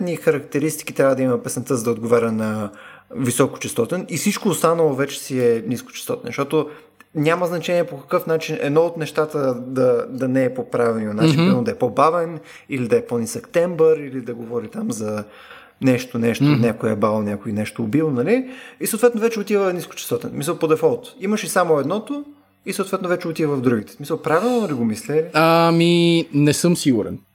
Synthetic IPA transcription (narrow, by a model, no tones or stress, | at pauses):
t̪nixɐɾɐkt̪ɛɾist̪i̥kit̪ɾʲavəd̪ɐimɐpɛsnt̪əzəd̪ɐod̪̚ɡovaɾʲɐnɐ | visɔkʊ̥t͡ʃɛst̪ɔt̪ɛnʔifsit͡ʃkoːst̪anəlˠovɛt͡ʃɛ̥siɛniskʊo̥t͡ʃɛ̥st̪ɔt̪ɛnʃt̪ɔt̪o | nʲaməznɐt͡ʃɛniɛpokɐ̥kɤfnat͡ʃinɛ̰d̪nɔot̪nɛʃt̪at̪əd̪ɐd̪ɐnɛːpopɾavɛnonasiimod̪ɐɛpobavɛn | ilid̪ɐɛpɔnisəkt̪ɛmbəɾilid̪ɐɡovɔɾit̪amzɐ | nɛʃt̪onɛʃt̪onʲakoɛbalˠnʲakʊinɛʃt̪oːbilˠnɐliisoʊt̪vɛt̪novɛt͡ʃɛot̪ivənisko̥t͡ʃɛ̥st̪ɔt̪ɛnsmisəlˠpod̪ɛfɔlˠt̪iməʃisamoɛd̪nɔt̪o | isot̪vɛt̪novɛt͡ʃɛot̪ivəvɐvd̪ɾuɡʲit̪ɛ̥smisəlˠpɾavilˠnnoliɡomislɛliaminɛsɤmsiɡʊɾɛ̰n